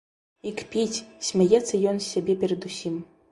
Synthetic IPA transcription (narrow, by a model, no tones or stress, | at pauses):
ikpʲit͡sʲsʲmʲajɛt̪sːɐjɔnsʲːabʲɛpʲɛɾɐd̪usʲim